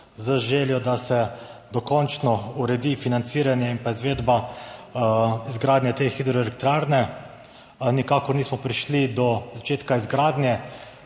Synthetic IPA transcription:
zəʒeːljɔd̪asɛd̪ɔkɔnt͡ʃnɔuɾɛd̪ifinant̪siːɾanjɛimpaizʋeːd̪ba | izɡɾaːd̪nʲjɛt̪exid̪ɾɔilɛk̚t̪ɾaɾnɛ | nikaːkɔɾniːsmɔpɾiʃlid̪ɔzat͡ʃeːt̪kaizɡɾaːd̪njɛ

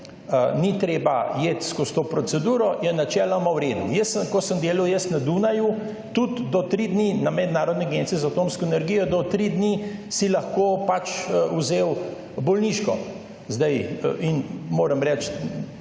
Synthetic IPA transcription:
ənit̪ɾeːbajet̪skɔst̪opɾɔt͡s̪ɛd̪uːɾɔjɛnat͡ʃɛːlɔmawɾeːd̪ujəssəmkɔsəmd̪eːlɐwjəst̪nad̪unaju | t̪ut̪d̪ɔt̪ɾid̪ninamɛd̪naːɾɔd̪nɛɡent͡ssizat̪oːmskɔenɛɾɡiːjɔd̪ɔt̪ɾid̪nisilɐxkoːpat͡ʃuzeːw | bɔlniʃkɔ̰ | zd̪ajʔinmoːɾəmɾɛt͡ʃ

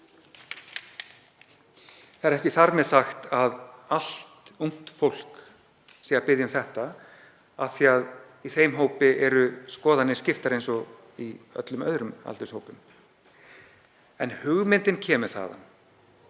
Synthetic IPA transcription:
θaɛɾɛhcɪθaɾmɛðsaxt̪aðal̥t̪uŋ̥t̪fowl̥k | sɛːɣaɾpɪðjʏmθɛht̪a | aθiað | iθejmɦoːwpɪʔɛɾʏskɔːðanːɪscɪft̪aɾejnsɔ | iœ̰t̪lʏmœ̰ðɾʏma̰lt̪ʏshoːwpʏm | ɛnhʏɣmɪnt̪ɪncʰɛːmʏ̥θa̰ːða̰n

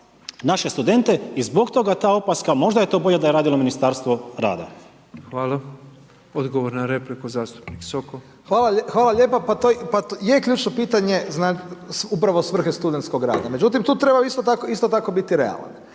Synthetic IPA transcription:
naʃe̞st̪ud̪e̞nt̪e̞izbo̞kt̪o̞ɡat̪aːo̞paskamo̞ʒd̪aje̞t̪o̞ːbo̞ʎed̪aje̞ɾaːd̪ilˠo̞minist̪aːɾst̪ʋoɾa̰ːd̪a̰ | xʋaːla | od̪ɡoʋoɾnaɾeplikuzaːst̪u̥pniksoko | xʋaːlaxʋaːlaʎeːpapat̪opajekʎuːt͡ʃnopiːt̪aɲe̞znasupɾaʋosʋr̩xest̪ud̪ent̪sko̞ɡɾa̰ːd̪ame̞d͡ʒut̪imt̪uːt̪ɾebaist̪ot̪akoist̪ot̪ako̞bit̪iɾḛa̰la̰n

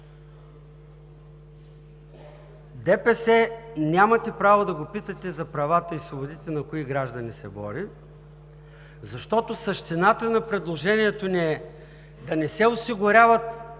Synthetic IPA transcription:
d̪ɛpɛsɛnʲamɐt̪ɛpɾavod̪ɐɡopit̪ɐt̪ɛzɐpɾɐvat̪əisvobʊd̪it̪ɛnɐkʊiɡɾaʒd̪ɐnisɛbɔ̰ɾi | zɐʃt̪ɔt̪osɐʃt̪inat̪ənɐpɾɛd̪lˠoʒɛniɛt̪oniɛ | d̪ɐnɛsɛosiɡʊɾʲavɐt̪

